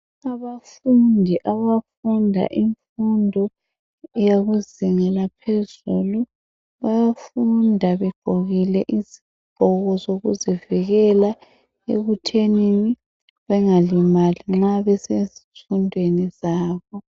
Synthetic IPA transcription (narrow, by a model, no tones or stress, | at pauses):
aβafundʱiʔaβafundʱa̰ʔiɱfundʱɔ | jaɣuziŋɛlapʰezulu | βajafundʱaβɛɡ͡ǃ̥ʱoɣilɛʔizi̥ | ɡ͡ǃ̥ʱɔɣɔzoɣṵziviɣɛla | ḛɣutʰenini | βɛŋalimaliŋ͡ǁaβɛsezi̥fundʱwenizaːβɔ